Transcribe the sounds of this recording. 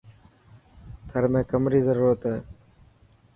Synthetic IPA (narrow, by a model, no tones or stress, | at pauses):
t̪ʰəɾmẽːkəmɾiːzəɾuːɾət̪ɦɛː